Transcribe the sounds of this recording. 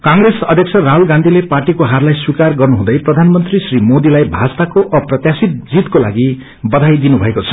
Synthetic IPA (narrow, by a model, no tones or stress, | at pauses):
kãŋɡresʌd̪ʱjʌksʰʌraɦulɡãnd̪ʱileparʈikoɦarlajswikarɡʌrnuɦũd̪ʌjprʌd̪ʱanmʌnt̪risrimod̪ilajbʱad͡zt̪akoʔʌprʌt̪jasit̪̚d͡zit̪kola̰ɡi | bʌd̪ʱajd̪inubʱʌekot͡sʰʌ̥